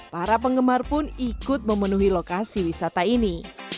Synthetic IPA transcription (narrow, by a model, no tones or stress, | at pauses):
paɾap̬əŋɡəmarpʊnikʊt̪̚məmənuɦilokasiwisat̪aini